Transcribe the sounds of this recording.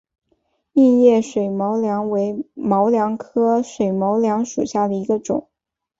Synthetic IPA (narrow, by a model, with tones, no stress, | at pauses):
i˥˧njɛ˥˩ʂwe˨˩ɪmɑ˧˥ʊljɑ˧˥ŋwe˧˥ɪmɑ˧˥ʊljɑ˧˥ŋkʰɤ˥ʂwe˨˩ɪmɑ˧˥ʊljɑ˧˥ŋʂu˨˩ɕja˥˩d̪ə˩i˧˥ɡə˧ʈ͡ʂʊ̰˨˩˦ŋ